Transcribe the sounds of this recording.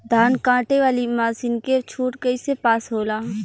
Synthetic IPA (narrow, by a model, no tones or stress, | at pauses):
d̪ʱaːnkãːʈeʋaːlimaːsinkeɾt͡ʃʰuːʈkɐisepaːsɦoːlaɦ